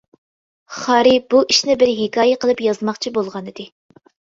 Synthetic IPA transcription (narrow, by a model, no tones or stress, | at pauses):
χɑːɾɪb̥uʔiʃnɪbɪɾɦɪkʰɑːjɛqəlˠɨpjɑzmɑχt͡ʃʰibolˠʁɑnɨd̪ɨ